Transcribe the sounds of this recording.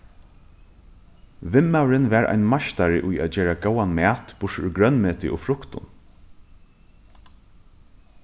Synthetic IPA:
ʋɪmːawɾɪnʋæːɹa̰jnmaʃt̪aɹɪʔʊjæ̰ːt̪̚d͡ʒɛːɹaɡoːwanmɛːt̪b̥ʊʂʊɡɾœnmeːt̪ɪʔʊ̰fɾʊkt̪ʊ̰n

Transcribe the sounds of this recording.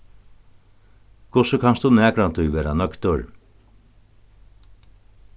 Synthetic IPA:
kʰʊsəkʰanstd̪unɛːkɾant̪ʰʊjʋeːɾanœkt̪ʊɾ

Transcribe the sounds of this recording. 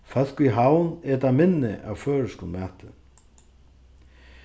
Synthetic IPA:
fal̥kiɦawnɛt̪amɪnːɪ̰ʔa̰wføːɾəskʊnmæːt̪ɪ

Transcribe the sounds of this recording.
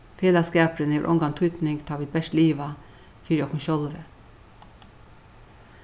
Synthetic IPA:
feːlɑskæːpɾəneːʋ̰ʔɔ̰ŋɡɑnt̪ʰʏt̪nɪŋɡt̪ʰɑːʋɪt̪̚bɛʃtliːʋɑ | fiɾɔkʰʊnʃɔlʋə

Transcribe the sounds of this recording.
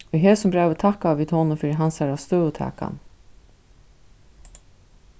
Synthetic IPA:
iɦɛːsʊmbɾaːvət̪ʰahkaːviːd̪hoːnʊfiːɾɪɦansaɾast̪œːʊt̪ʰa̰ːka̰n

